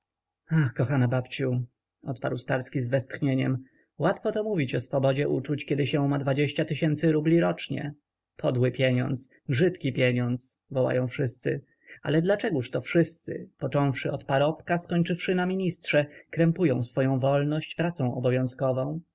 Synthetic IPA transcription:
axkɔxanabapt͡ɕu | ɔt̪pa̰ɾwst̪aɾskʲizvɛst̪xɲeɲɛm | wat̪fɔt̪ɔmuvʲit͡ɕɔsfɔbɔd͡ʑɛʔut͡ʂut͡ɕkʲɛd̪ɘɕɛ̃mad̪vad͡ʑeɕt͡ɕat̪ɘɕɛnt̪sɘɾublʲiɾɔt͡ʂɲɛ̰ | pʰɔd̪wɘpʲjeɲɔ̰̃nt̪s | ʐɘt̪kʲipʲjeɲɔnt̪svɔwa̰jɔ̃w̃fʂɘst̪sɘ | a̰lɛd̪lat͡ʂɛɡuʂt̪ɔfʂɘst̪sɘ̰pɔt͡ʂɔ̃w̃fʂɘɔt̪paɾɔpkaskɔɲt͡ʂɘfʂɘnamʲiɲistʂɛkɾɛmpujɔ̃w̃sfɔjɔ̃w̃vɔlnɔɕt͡ɕpɾat̪sɔ̃w̃ʔɔ̰bɔvʲjɔ̃w̃skɔvɔ̃w̃

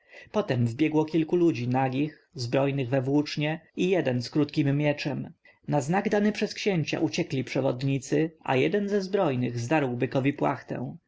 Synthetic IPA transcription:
pɔt̪ɛmvbʲjɛɡwɔkʲilkulud͡ʑinaɡʲix | zbɾɔjnɘɣvɛvwut͡ʂɲɛijɛd̪ɛnskɾut̪kʲimːʲjɛt͡ʂɛm | naznaɡd̪anɘpʂɛskɕɛɲt͡ɕa̰ʔut͡ɕɛklʲipʂɛvɔ̰d̪ɲit̪sɘa̰jɛ̰d̪ɛnzɛzbɾɔjnɘɣzd̪aɾwbɘkɔvʲipwa̰xt̪ɛ̰̃w̃

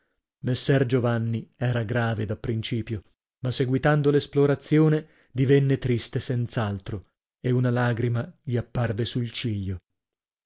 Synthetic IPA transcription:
mesːɛrd͡ʒovanːiɛːɾaɡɾaːved̪apːɾint͡ʃiːpjo | maseɡwit̪and̪olesploɾat̪sːjoːne | d̪ivenːet̪ɾist̪esɛnt̪salt̪ɾo | eunalaːɡɾimaʎiapːarvesult͡ʃiʎːo

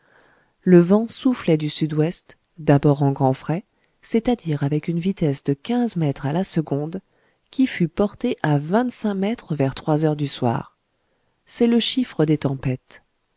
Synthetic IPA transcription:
ləvɑ̃suflɛd̪ysyd̪wɛst̪ | d̪abɔʁɑ̃ɡʁɑ̃fχɛ | sɛt̪ad̪iʁavɛkynvit̪ɛsd̪əkʲɛ̃zmɛt̪χalasəɡɔ̃d̪ | kʲifypɔʁt̪eʔavɛ̃t̪sɛ̃mɛt̪χəvɛʁt̪χwazœʁd̪yswa̰ːʁ | sɛləʃifχəd̪et̪ɑ̃pɛt̪

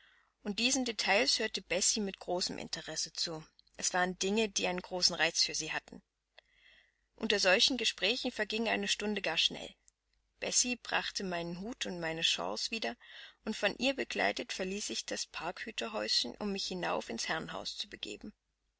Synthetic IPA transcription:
ʔʊnt̚d̥iːzn̩detʰaɪlshøːɐtəbɛsimɪtɡ̥ʁoːsəmʔɪ̰ntʰəʁɛsət͡suː | ʔɛsv̥aːʁəndɪŋədiːʔaɪnənɡ̥ʁoːsn̩ʁaɪt͡sfyːɐziːhatn̩ | ʔʊ̰ntɐzɔlçn̩ɡəʃpʁ̥ɛːçn̩fɛɐɡɪŋʔaɪnəʃtʊndəɡaːɐʃnɛ̰l | b̥ɛsibʁa̰χtəmaɪnənɦuːtʊntmaɪnəʃɑ̰̃ːsv̥iːdɐʔʊntfɔnʔiːɐbəɡla̰ɪtətfɛɐliːsɪçd̥aspʰaɐkhyːtʰɐɦɔʏsçənʔʊ̰mːɪçhɪna̰ʊfɪnshɛɐnɦa̰ʊst͡subəɡ̥ḛːbm̩

